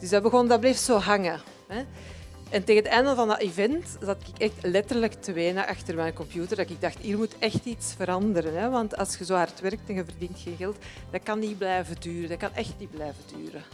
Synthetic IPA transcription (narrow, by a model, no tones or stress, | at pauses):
d̥ʏzdɑbəɣɔndɑbleːftsoːɦɑŋə | ɦɛ | ɛnteːɣənətɛːndəlvɑndɑʔivɛnt | zɑtɪkɪkɛxtlɛtərləktβeːnəʔɑxtərmɛjnkɔmpjuːtərdɑkɪɡ̚dɑxtiːrmutɛxtitsfəɾɑndəɾənɦɛʋɑntɑ̰lˠsxəzoːaːrətʋɛrk̚tɛnɣəvərdintxeːnɣɛlˠtd̥ɑkɑnːiblɛjvədyːɾədɑkɑnʔɛxtniblɛjvədy̰ːɾə